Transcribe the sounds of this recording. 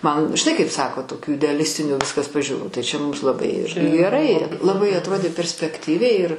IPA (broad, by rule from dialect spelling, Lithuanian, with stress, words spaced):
ˈmɐn ʒʲɪˈnɐɪ kɐɪp ˈsɑːkoː toːˈkʲuː ɪdʲɛɐˈlʲɪsʲtʲɪnʲuː ˈʋʲɪskɐs pɐʒʲuːˈruː tɐɪ ˈt͡ʃʲɛ ˈmʊms lˠɐˈbɐɪ ˈɪrʲɡʲɪ ɡʲɛˈrɐɪ lˠɐˈbɐɪ ɐtˈroːdʲeː pʲɛrʲsʲpʲɛkˈtʲiːʋʲɛɪ ɪr